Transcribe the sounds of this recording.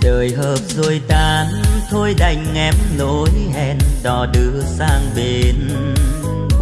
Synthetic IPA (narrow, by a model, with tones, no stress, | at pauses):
ɗəː˨˩jɦəː˨˩p̚zo˧˩jt̪aː˨˩nt̪ʰo˧jɗa˨˧˩jŋ̟ːɛ˨˧˥p̚mlo˧˦jhɛ˧˩nɗɔ˨˩ɗɨ˧˦əsaː˧ŋɓe˧˩n